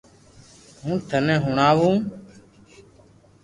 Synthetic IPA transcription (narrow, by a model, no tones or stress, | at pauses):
ɦũːt̪ʰənɛ̃ːɦʊɳaːʋũː